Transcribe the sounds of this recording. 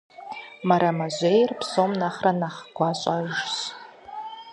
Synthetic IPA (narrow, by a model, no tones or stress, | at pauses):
maɾamaʒʷejrpʰsomnaχranaχɡʷʰaɕʷʼaʒs